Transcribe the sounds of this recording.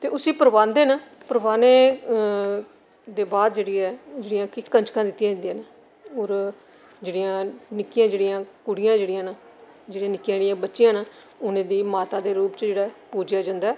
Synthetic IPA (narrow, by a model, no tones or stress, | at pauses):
t̪eːʊsiːpəɾʋãːnd̪eːnãː | pəɾəbaːneː | d̪eːbaːd̪d͡ʒeːɽiːɛːd͡ʒeːɽɪjãːkɪkəɲt͡ʃkʰãːd̪ɪt̪ːɪjãːd͡ʒə̃nd̪iãːna | oːɾ | d͡ʒeːɽɪjãːnɪkːɪjãːd͡ʒeːɽɪjãːkʊɽɪjãːd͡ʒeːɽɪjãːna | d͡ʒeːɽiãːnɪkːjãːd͡ʒeɽɪjãːbətːʃɪjãːnaː | ʊnẽːd̪iːmaːt̪aːd̪eːɾuːpt͡ʃd͡ʒeːɽaːpuːd͡ʒjaːd͡ʒãːnd̪aː